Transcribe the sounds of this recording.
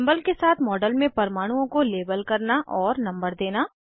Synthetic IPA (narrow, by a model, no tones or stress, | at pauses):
mbəlkesaːt̪ʰmɔːɖəlmẽpɐɾmaːɽ̃uõkoleːbəlkɐɾnaʔɔːɾnɐ̃mbəɾd̪eːnaː